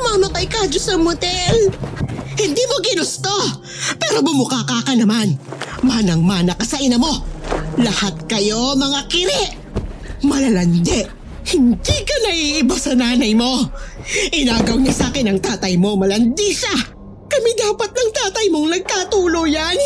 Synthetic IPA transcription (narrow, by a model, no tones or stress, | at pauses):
smamɐpɐjkaːd͡ʒosɐmot̪ɛl | hɪnd̪iːmo̞kɪnʊst̪o̞ | pɛːɾo̞bʊmʊkaːkaːkɐnɐmanmaːnɐŋmaːnɐkɐsɐʔɪnɐmo̞lɐhat̪̚kɐjo̞mɐŋakɪɾɛʔ | mɐlɐlɐnd̪ɛʔ | hɪnd̪ikɐnɐʔiʔɪbasɐnaːnɐjmo̞ | ʔɪnaːɡɐwɲɐsaːkɛnɐŋt̪aːt̪ɐjmo̞mɐlɐnd̪iʃa | kɐmid̪aːpɐt̪̚nɐŋt̪aːt̪ɐjmo̞ŋnɐɡ̚kat̪uːlojan